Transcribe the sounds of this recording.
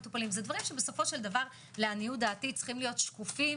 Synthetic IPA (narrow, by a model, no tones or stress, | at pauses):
t̪upalimzed̪vaʁimʃebe̞so̞fo̞ʃe̞ld̪avaʁ | leanijud̪aːtit͡sχimlijo̞tʃkufi